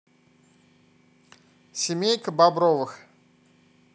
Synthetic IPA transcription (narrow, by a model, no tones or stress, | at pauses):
sʲɪmʲejkəbabɾɔvɨx